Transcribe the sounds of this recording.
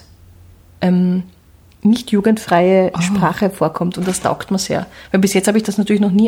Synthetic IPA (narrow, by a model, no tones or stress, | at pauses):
ʔɛm | nɪçtjuːɡəntfʁ̥aɪəʃpʁaːχəfoːɐkʰɔmtʊnt̚d̥asta̰ʊktmasḛːɐvæɪlbɪsjɛt͡sthabəɪçd̥asnatʰyːɐɪçnɔχniː